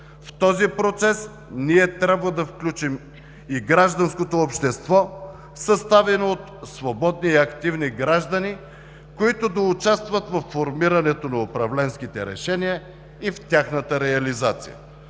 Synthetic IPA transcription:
ft̪ɔzipɾot̪sɛs | niɛt̪ɾʲabvəd̪ɐfklʲut͡ʃim | iɡɾaʒd̪ɐnskot̪oːpʃt̪ɛst̪vɔ | sɐst̪avɛnoot̪svobɔd̪niɐkt̪ivniɡɾaʒd̪əni | koit̪od̪ɐʊt͡ʃast̪vɐt̪vɐfːoɾmiɾɐnɛt̪onɐʊpɾɐvlɛnskit̪ɛɾɛ̰ʃɛniə | ift̪ʲaxnət̪əɾɛɐlizat̪sḭjə̰

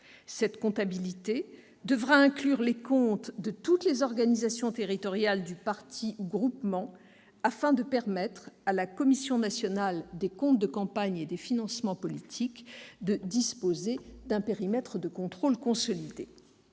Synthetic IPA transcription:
sɛt̪kɔ̃t̪abilit̪e | d̪əvʁaɛ̃klyʁlekɔ̃t̪d̪ət̪ut̪lezɔʁɡanizasjɔ̃t̪eʁit̪ɔʁjald̪ypaʁt̪ʰiuɡʁupmɑ̃ | afɛ̃d̪əpɛʁmɛt̪χalakɔmisjɔ̃nasjɔnald̪ekɔ̃t̪̚d̪əkɑ̃paɲed̪efinɑ̃smɑ̃pɔlit̪ʰikd̪əd̪ispozed̪ɛ̃peʁimɛt̪χəd̪əkɔ̃t̪χolkɔ̃sɔlid̪e

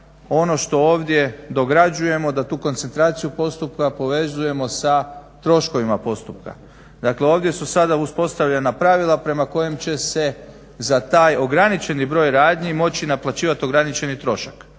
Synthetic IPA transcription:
o̞no̞ʃt̪o̞oːʋd̪je̞d̪o̞ɡɾad͡ʒuje̞mo̞d̪at̪uːko̞nt̪se̞nt̪ɾaːt̪sijupo̞st̪up̚kapo̞ʋe̞zuje̞mo̞sat̪ɾo̞ʃko̞ʋimapo̞st̪up̚ka̰ | d̪akle̞o̞ːʋd̪je̞susad̪auspo̞st̪aʋʎenapɾaʋilˠapɾe̞mako̞jemt͡ɕe̞se̞ | zat̪aːjo̞ɡɾanit͡ʃe̞nibɾo̞ːjɾaːd̪ɲimo̞t͡ɕinaplˠat͡ɕiːʋat̪o̞ɡɾanit͡ʃe̞nit̪ɾo̞ʃak

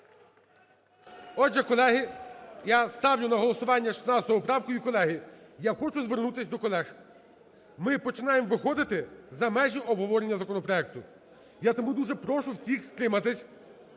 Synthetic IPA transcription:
ɔd͡ʒɛkɔlˠɛɦɪjast̪ɑwjʲʊnɐɦɔlˠɔsʊʋɑnʲːɐʃi̥snɑt͡s̪ʲɐt̪ɔɦʊpɾɑwkʊjikɔlˠɛɦɪjaxɔt͡ʃʊzʋernut̪ɪsʲd̪ɔkɔlˠɛx | mɪpɔt͡ʃɪnɑjemʋɪxɔd̪ɪt̪ɪzɐmɛʒʲiʔɔbɦɔʋɔɾenʲːɐzɐkɔnɔpɾɔɛk̚t̪ʊ | jat̪ɔmud̪uʒɛpɾɔʃʊwsʲixst̪ɾɪmɐt̪ɪsʲ

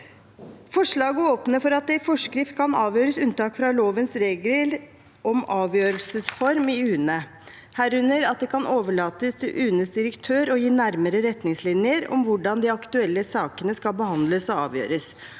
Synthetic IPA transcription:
fɔʂɭɑːɡəoːpnəfɔɾɑt̪̚d̪ɛɪfɔʂkɾɪft̪̚kʰɑnɑːʋjøːɾəsʉnt̪ɑːkfɾɑloːʋənsɾeːɡ̪əl | ɔmɑːʋjøːɾəlsəsfɔɾmɪʉːnə | hæːɾʉnːəɾɑt̪̚d̪ɛkʰɑnʔoːʋəɭɑːt̪əst̪ʰɪlʔʉːnəsd̪ɪɾəkt̪ʰøːɾɔjiːnæɾməɾəɾɛt̪nɪŋslɪnɪəɾɔ̰mʋʊɖɑnd̪ɪɑkt̪ʉɛlːəsɑːkənəskɑlbəhɑnd̪ləsɔɑ̰ːʋjø̰ːɾəs

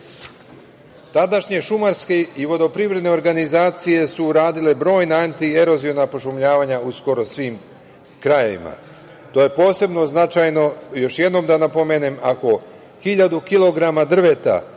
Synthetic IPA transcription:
t̪ad̪aʃɲe̞ʃumaɾske̞iʋo̞d̪o̞pɾivɾed̪ne̞o̞ɾɡanizaːt̪sije̞suːɾaːd̪ile̞bɾo̞ːjnaant̪ie̞ɾo̞zionapo̞ʃ̬umʎaːʋaɲausko̞ɾo̞sʋiːm | kɾajeʋḭma̰ | t̪oje̞po̞ːse̞bno̞znat͡ʃajno̞jo̞ʃjed̪no̞md̪anapo̞menemako̞ | xiʎad̪ukilˠo̞ɡɾamad̪r̩ʋe̞t̪a̰

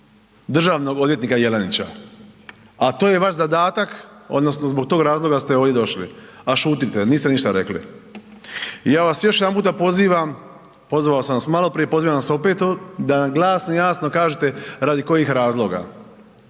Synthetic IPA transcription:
d̪r̩ʒaːʋno̞ɡo̞d̪ʋjet̪nikaje̞lenit͡ɕa̰ | at̪oːje̞ʋaʃzad̪aːt̪ako̞̰d̪no̞snozbo̞ɡ̚t̪o̞ːɡɾaːzlˠo̞ɡast̪eoʋd̪je̞d̪o̞ʃlḭaʃuːt̪it̪eniːst̪eniʃt̪aɾe̞̰klḭ | jaːʋasjo̞ʃ̬jed̪ampuːt̪apo̞ziːʋam | po̞zʋaosamʋasmalˠo̞pɾijepo̞ziːʋaaso̞pet̪od̪anɡlˠaːsnojaːsno̞kaːʒet̪eɾaːd̪iko̞jixɾaːzlˠo̞ɡa̰

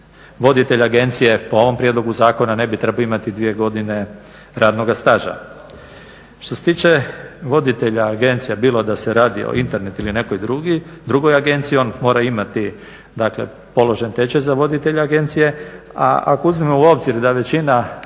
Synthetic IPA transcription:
ʋo̞d̪it̪e̞ʎaaɡe̞nt̪sije̞poo̞ʋo̞mpɾje̞d̪lˠo̞ɡuzaːko̞nane̞bit̪ɾe̞baoimat̪id̪ʋije̞ɡo̞d̪ine̞ | ɾaːd̪no̞ɡast̪aʒa̰ | ʃt̪o̞set̪iːt͡ʃeʋo̞d̪it̪e̞ʎaːɡe̞nt̪sijabiːlod̪aseɾaːd̪ḭo̰int̪eɾne̞t̪iline̞ko̞jd̪ɾuɡid̪ɾuɡo̞jaɡe̞nt̪sijio̞nmo̞ːɾaimat̪i | d̪akle̞̰ | po̞lo̞ʒent̪et͡ʃezaʋo̞d̪it̪e̞ʎaaɡe̞nt̪sije̞ | a̰a̰kouzmimouo̞bziɾd̪aʋe̞t͡ɕina

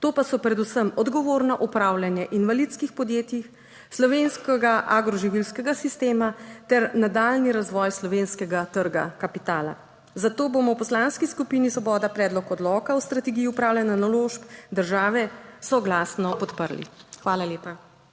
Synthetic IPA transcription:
t̪oːpasɔpɾɛd̪usəmɔd̪ɡɔʋoːɾnaʔupɾaːwlʲjanjɛʔinʋalit̪skixpɔd̪jeːt̪jix | slɔʋeːnskɛɡaʔaɡɾɔʒiʋilskɛɡasist̪eːmat̪ɛɾnad̪aːlniɾazʋɔːjslɔʋenskɛɡat̪əɾɡakapit̪aːla̰ | zat̪oːboːmɔwpɔslaːnskiskupinisʋɔbɔːd̪apɾɛːd̪lɔkɔd̪lɔkawst̪ɾat̪ɛɡijiupɾaːwlʲjananaloːʃpd̪əɾʒaːʋɛsɔɡlaːsnɔpɔt̪pəɾlḭxʋaːlaleːpa

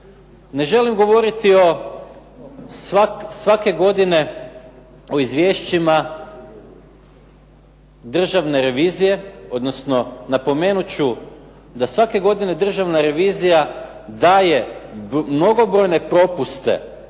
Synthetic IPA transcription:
ne̞ʒe̞limɡo̞ʋo̞ɾit̪io̞ | sasʋake̞ɡo̞d̪ine̞ | o̞izʋʲje̞ːʃt͡ɕima | d̪r̩ʒaʋne̞ɾe̞ʋiːzije̞o̞d̪no̞sno̞napo̞me̞ːnut͡ɕu | d̪asʋake̞ɡo̞d̪ine̞d̪r̩ʒaʋnaɾe̞ʋiːzija | d̪aːje̞mno̞ɡo̞bɾo̞jne̞pɾo̞pust̪e̞̰

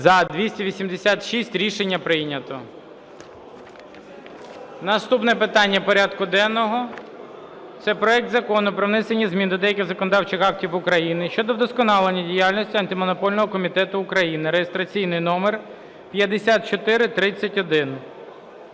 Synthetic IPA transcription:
zɐd̪ʋʲisʲtʲiʋʲisʲimd̪esʲat̪ʃisʲtʲɾʲiʃenʲːɐpɾɪnʲɐt̪ɔ | nɐst̪upnɛpɪt̪ɑnʲːɐpɔɾʲad̪kʊd̪ɛnːɔɦɔ | t̪sɛpɾɔɛk̚t̪zɐkɔnʊpɾɔwnɪsenʲːizmʲind̪ɔd̪ɛjɐk̬ʲɪɣzɐkɔnɔd̪ɑwt͡ʃɪxɑk̚tʲiwʊkɾɐjinɪʃt͡ʃɔd̪ɔd̪ɔskɔnɑlˠenʲːɐdʲijalʲnɔsʲtʲiɐnt̪ɪmɔnɔpɔlʲnɔɦɔkɔmʲit̪ɛt̪ʊːkɾɐjinɪɾejest̪ɾɐt͡sʲijnɪjnɔmer | pjɐd̪esʲat̪̚t͡ʃɔt̪ɪɾɪt̪ɾɪt͡sʲːɐtʲɔd̪ɪn

